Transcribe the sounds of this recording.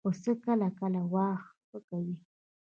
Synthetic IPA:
osəkalakalawaxpəkaji

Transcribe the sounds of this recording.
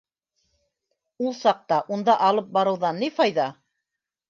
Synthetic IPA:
ulˠsɑq̚t̪ɑʔund̪ɑʔɑlˠɤp̚bɑɾɤ̆wðɑnːifɑjðɑ

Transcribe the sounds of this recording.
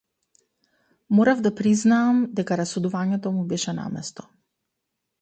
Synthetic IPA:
mɔɾavd̪apɾiznaːmd̪ɛkaɾasɔd̪uvaɲɛt̪ɔmubɛʃɛna̰mɛ̰st̪ɔ̥

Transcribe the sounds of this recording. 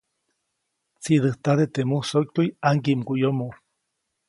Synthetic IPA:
t͡sid̪ɨht̪aðet̪emuhsok̚t̪ujaŋkimkujomo

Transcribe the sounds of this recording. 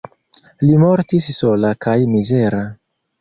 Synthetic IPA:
limo̞ɾtisːo̞lakajmize̞ɾa

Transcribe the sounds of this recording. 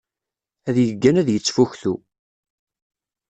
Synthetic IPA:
æðjəɡːænæðjət͡sːfuçθu

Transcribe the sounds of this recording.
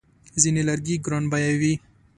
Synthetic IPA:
zinelaɾɡiɡɾonbajawi

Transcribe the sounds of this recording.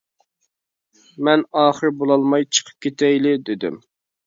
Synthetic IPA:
mɛnɑːχəɾbolˠɑlˠmɑjt͡ʃʰə̥qʰə̥p̚kʲʰet̪ʰɛjlɪd̪ɪd̪ɪ̰m

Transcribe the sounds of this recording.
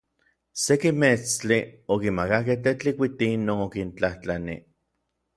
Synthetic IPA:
sekimet͡st͡ɬiokimakak̬eht̪et͡ɬikʷit̪inːoːnokint͡ɬaht͡ɬanḭ

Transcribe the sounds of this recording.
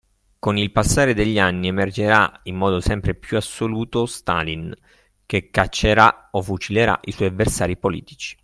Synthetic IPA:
konilpasːaːɾed̪eʎːianːiemerd͡ʒeɾaimːɔːd̪osɛmpɾepjuasːoluːt̪ost̪a̰lin | kekːat͡ʃːeɾaofut͡ʃileɾa̰ʔiswɔjavːersaːɾipolḭːt̪i̥t͡ʃi̥

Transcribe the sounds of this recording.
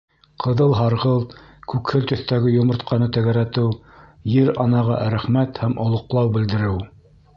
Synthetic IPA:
qʰɤ̆ðɤlˠɦɑɾʁɤlˠkʉkhɘlt̪ɵ̆θt̪æɡɘjŏmŏɾt̪qʰɑnɤt̪æɣæɾæt̪ɘw | jɘɾɑnɑʁɑ̰ʔɾæχmæt̪hæmʔŏlˠŏqlˠɑwbɘ̆ld̪ɘ̆ɾɘw

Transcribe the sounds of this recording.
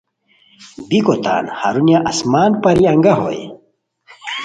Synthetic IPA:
bikot̪a̰ːnhaɾunjaʔɐsmaːnpɐɾiɐŋɡaɦo̰j

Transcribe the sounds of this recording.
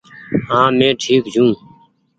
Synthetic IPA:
ɦãːmẽːʈʰiːkd͡ʒʱũː

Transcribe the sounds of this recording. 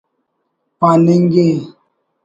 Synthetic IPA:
pãneŋɡe

